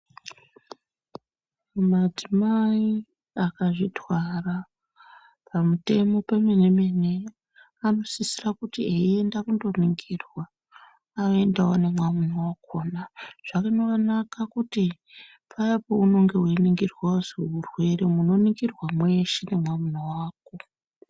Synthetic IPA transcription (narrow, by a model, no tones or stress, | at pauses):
mad͡zimai | akaʐitwara | pʰamute̞mo̞pemene̞mene̞ | ano̞sisirakutieiendakundo̞niŋɡirwaː | oe̞ndawone̞mwamunowakonaʐ̥akanokanakakuti | pʰajapouno̞ŋɡe̞ɦweniŋɡirwawozeurwe̞ɾemuno̞niŋɡirwamwe̞ʃene̞mwamunowaːk̚o̞